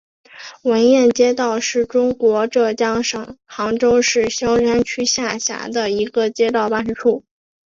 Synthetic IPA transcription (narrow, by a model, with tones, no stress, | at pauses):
wə˧˥njɛ˥˩nt͡ɕjɛ˥t̪ɑ˥˧ʊʂɻ̩˥˩ʈ͡ʂʊ˥ŋkwɔ˧˥ʈ͡ʂɤ˥˩t͡ɕjɑ˥ŋʂɤ˨˩ŋxɑ˧˥ŋʈ͡ʂo˥ʊʂɻ̩˥˩ɕjɑ˥ʊɻa˥nt͡ɕʰy˥ɕja˥˩ɕja̰˧˥d̪ə˧i˧˥ɡə˧t͡ɕjɛ˥t̪̬ɑ˥˩ʊpa˥nʂɻ̩˥ʈ͡ʂʰu˥˩